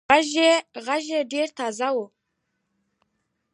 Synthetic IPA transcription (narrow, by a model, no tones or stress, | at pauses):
aʒeʁaʒeɖeɾt̪ʰɑzawʊ